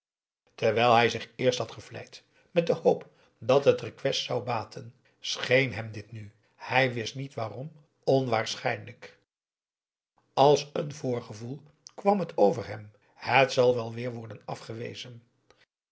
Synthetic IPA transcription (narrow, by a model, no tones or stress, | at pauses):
təɹʋɛjlˠɦɛjzɪχɪːɹsthɑtχəvlɛ̰jt | mɛt̚dəhowp | dɑtɦətrəkʋɛstsawbaːtʰən | sχejnɦɛmdɪtny | hɛjʋɪstnitʋaːrɔm | ɔnʋaːɹsχɛjnlək | ɑlˠsənvʊːɹχəvulˠ | kʋɑmɦətʰowvəɹɦɛm | hətsɑlˠʋɛlˠʋɪːɹʋɔɹdənɑfχəʋḛjzən